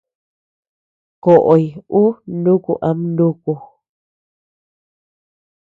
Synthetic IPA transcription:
ko˨ʔo˨i˨u˦nũ˦kṵ˦ʔa˧mnũ˦ku˧˨

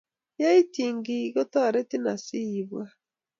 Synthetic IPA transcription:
ja˦i˦tiː˨ŋɡi˨ɣo˦ta˦˨ɾe˦ti˦na˨si˦˨βwa˦

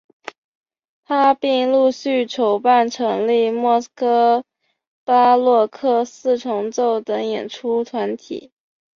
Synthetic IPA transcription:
t̪ʰa˥pi˥˧ŋlu˥˧ɕy˥˩ʈ͡ʂʰo˨˩ʊpa˥˩nʈ͡ʂʰɤ˧˥ŋli˥˧mwɔ˥˩skɤ˥ | pa˥lwɔ˥˧kʰɤ˥˧sɹ̩˥˩ʈ͡ʂʰʊ˧˥ŋt͡so˥˩ʊt̪ə˧˥jɛ̰˨˩nʈ͡ʂʰu˥t̪ʰwa˧˥nt̪ʰḭ˨˩˦

